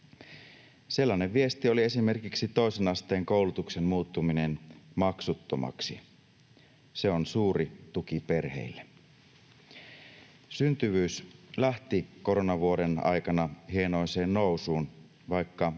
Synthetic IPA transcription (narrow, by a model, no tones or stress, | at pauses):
se̞lːɑneʋʋie̞st̪io̞lie̞sime̞rkiksit̪o̞isenɑst̪e̞ːŋko̞wlut̪ukse̞nmuːt̪ːuminenmɑksut̪ːo̞̰mɑ̰ksi | se̞o̞nsuːɾit̪ukipe̞rhe̞̰ilːe | synt̪yʋyːslæht̪iko̞ɾo̞nɑʋuodenɑ̰jkɑnɑhie̞no̞jse̞ːnno̞wsuːn | ʋɑjkːɑ